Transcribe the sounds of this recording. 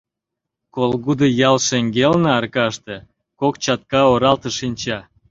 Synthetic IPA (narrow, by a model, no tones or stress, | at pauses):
kolɣud̪əjɑlʃeŋɡelneɑrkɑʃt̪ĕ | kokt͡ɕɑt̪̚kɑoɾɑlt̪ə̆ʃinʲt͡ɕɑ